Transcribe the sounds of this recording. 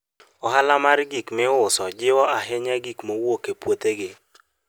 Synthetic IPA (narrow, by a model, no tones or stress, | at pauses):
ɔɦalamarɡikmɪʊʊsɔd͡ʒɪwɔaɦɪɲaɡikmowokepwot̪eɡɪ